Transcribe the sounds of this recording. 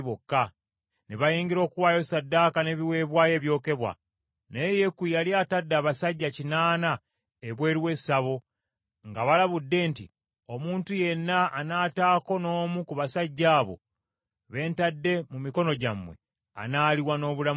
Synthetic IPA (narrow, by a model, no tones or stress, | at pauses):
βokːa | neβajiːŋɡiɾo̞ːkuwaːjo̞sadːaːkane̞ːβiwe̞ːβwaːje̞ːβjo̞ːke̞βwa̰ | neje̞kujaliatadːaːβasaɟːacinaːna | eβwe̞ːɾiwe̞saβo̞ | ŋɡaβalaβudːe̞ntḭ | o̞muːntuje̞nːaːnaːtaːko̞no̞ːmukuβasaɟːaːβo̞̰ | βe̞ːntadːe̞mumiko̞no̞ɟamːwe̞̰ | a̰naːliwano̞ːβula